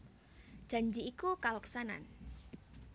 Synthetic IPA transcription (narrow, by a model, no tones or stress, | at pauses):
d͡ʒ̥a̤ɲd͡ʒiːkukalaksana̰n